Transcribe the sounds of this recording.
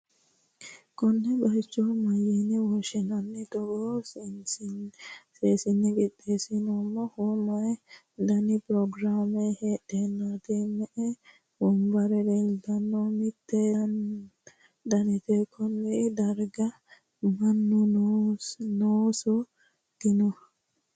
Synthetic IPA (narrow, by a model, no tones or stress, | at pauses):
kɔnːɛbɐjt͡ʃːɔmɐjɛnɛwɔʃɪnɐnːɛt̪ɔɡo | seːsɪnːɛɡɪt̪ʼːeːsɪnomːɔhɔmɐj | d̪ɐnɪpɾɔɡɾaːmɛheːɗenːat̪emɛʔɛ | bɔmbɐɾɛd̪eld̪ɐnːomɪt̪ːɛ | d̪ɐnɪt̪ekʰːɔnːɛd̪ɐɾɡɐ | mɐnːʊ | noːsɔ | d̪̥ɪnɔ